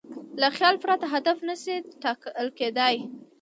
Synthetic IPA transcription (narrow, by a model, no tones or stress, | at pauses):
laxjɑlfʊɾat̪aɦad̪afnaseʈɑklked̪aj